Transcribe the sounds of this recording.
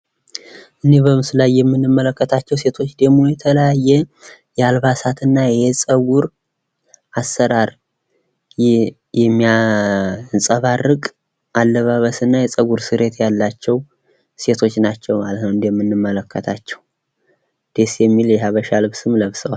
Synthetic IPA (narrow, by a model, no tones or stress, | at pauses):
ʔɨnːebəmɨsɨlajːɛmːɨnːɨmːələkːət̪ʰat͡ʃːɛwse̞t̪ʰo̞t͡ʃːd̪emo̞jɛt̪ʰələjajːɛjɛalβasat̪ʰɨnːajɛsʼəɡuɾ | ʔasːəɾaɾ | jɛmːia | nsʼəβarɨkʼ | ʔalːəβaβəsɨnːajɛsʼəɡuɾsɨɾe̞t̪ʰjalːat͡ʃːɛw | se̞t̪ʰo̞t͡ʃːnat͡ʃːɛwmalət̪nəwɨnd̪ejɛmːɨnːɨmːələkʰːət̪ʰat͡ʃːɛw | d̪̥e̞sjɛmːiljɛɦaβəʃalɨβsɨmləβsəwal